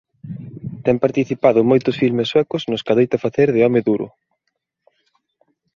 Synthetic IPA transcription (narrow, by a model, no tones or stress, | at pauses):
t̪ɛmpaɾt̪iθipaðʊmojt̪ʊsfilmesːwɛkʊznʊskaðejt̪afaθeɾðɪɔmɪðuɾʔʊ̰